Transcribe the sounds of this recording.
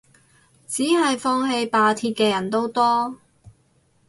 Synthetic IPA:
t͡siː˨˥ɦɐ˨jfɔː˥˧ŋɦe˧jpaː˨˧t̪ʰiː˧t̚kɛː˧jɐ˨˩nt̪o˥wt̪ɔː˥

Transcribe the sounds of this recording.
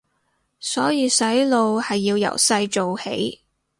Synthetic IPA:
sɔː˨˥jiː˧sɐ˨˥jlo˨˧whɐ˨jːiː˧wjɐ̰˨˩wsɐ˧jt͡ʃo˨whḛ˨˥j

